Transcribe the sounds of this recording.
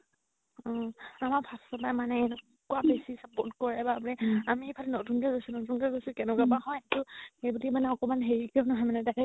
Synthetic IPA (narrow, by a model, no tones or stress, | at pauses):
ɔ̃amaɹpʰastɔpajmanɛɛnʊ | kʊabesisapɔtkɔɹɛbamɹɛamipʰalɛnotunkɛɡojsunotunkɛɡojsʊkɛnʊkabahɔjtʊxejbulimanɛɔkɔmanɦeɹikɔnɔɦɔjmanɛtakɛ